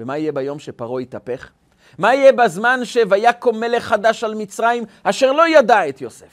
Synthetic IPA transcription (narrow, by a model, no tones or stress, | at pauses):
vemaijebajo̞mʃepaʁoit̪ape̞χ | maijebazmanʃevajako̞me̞le̞χːad̪aʃalmit͡sʁaimaʃeʁlo̞jad̪aet̪josef